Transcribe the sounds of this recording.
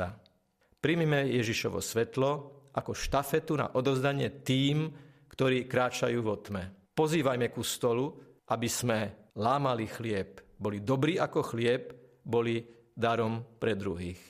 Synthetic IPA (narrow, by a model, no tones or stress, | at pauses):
a | pɾimimɛjɛʒiʃɔ̰ʋɔ̰sʋɛt̪lɔʔakɔʃt̪afɛt̪una̰ʔɔd̪ɔzd̪aɲɪɛt̪iːmkt̪ɔɾiːkɾaːt͡ʃajuːʋɔt̪mɛpɔziːʋajmɛkust̪ɔlu | ʔabizmɛlaːmalixlɪɛb̚bɔlid̪ɔbɾiːakɔxlɪɛbbɔli | d̪aɾɔmpɾɛd̪ɾṵɦiːx